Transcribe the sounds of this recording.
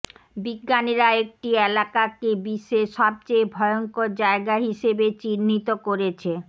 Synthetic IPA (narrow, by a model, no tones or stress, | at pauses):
biɡːaniɾaek̚ʈielakakebiʃeʃɔb̚t͡ɕejbʱɔeoŋkoɾd͡ʑaeɡaɦiʃebet͡ɕinːit̪okoɾet͡ɕʰe